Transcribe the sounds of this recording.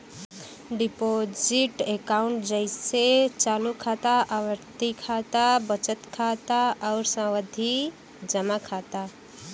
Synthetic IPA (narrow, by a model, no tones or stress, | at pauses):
ɖipod͡ʒiʈekaʊɳʈd͡ʒəɪset͡ʃaːlukʰat̪aʔawəɾt̪ikʰat̪abət͡ʃət̪kʰat̪aɔʊɾsãwəd̪ʱi | d͡ʒəmakʰat̪a